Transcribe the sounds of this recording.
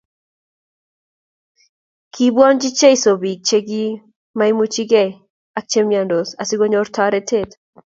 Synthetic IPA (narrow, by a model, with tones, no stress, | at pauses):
kʰi˦bwɔ˦nd͡ʒi˦t͡ʃe˦i˦so˨bi˨ɡ̚t͡ʃe˦ɡi˦ | mai˦mu˦t͡ʃi˦ɡɛ˦ | ak̚t͡ʃe˦mja˨ndo˨sa˨si˦ɡo˦ɲo˦rtʰɔɾɛ˦tʰe˦t